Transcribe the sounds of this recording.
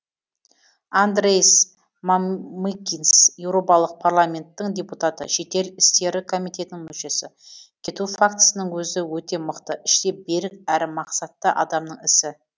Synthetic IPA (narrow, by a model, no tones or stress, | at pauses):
and̪ɾejs | mamikʲːinsje̞wɾo̞pɑlˠəq̚pʰarlˠamʲe̞nt̪ːɪŋd̪ʲe̞put̪at̪ə̰ʃe̞t̪e̞lɪst̪e̞ɾɪkʰo̞mijt̪e̞t̪ɪnɪŋmɵʃe̞sɪkʲʰe̞t̪ufak̚t̪ə̥sənəɴwɵzɪwɵt̪e̞mʊqt̪əʔɪʃt̪e̞be̞ɾɪk̚æɾɪmɑqsɑt̪ːəʔɑd̪ɑmnəɴɪsɪ